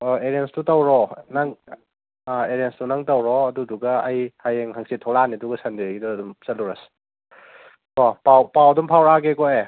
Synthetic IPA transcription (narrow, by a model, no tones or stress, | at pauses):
eɾienstutawɾɔnaŋ | eɾenstunaŋtawɾɔɐduduɡɐːjhajeŋɦaŋsitʰɔɾaniduɡɐsandeɡidɔɐdumsɐluɾas | kɔpawpawɐdumpʰawɾaɡekɔe